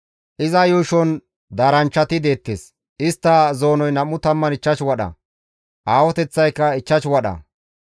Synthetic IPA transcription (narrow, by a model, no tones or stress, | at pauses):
ʔɪzɐjuːʃɔn | d̪aːɾɐnt͡ʃːɐt̪ɪd̪e̞ːt̪ːḛːs | ʔɪst̪ːɐzo̞ːnɔjnɐmʊt̪ɐmːɐnɪt͡ʃːɐt͡ʃwɐɗɐ̰ | ʔaːwɔt̪ɛt͡sːɐjkːɐɪt͡ʃːɐt͡ʃwɐɗɐ̰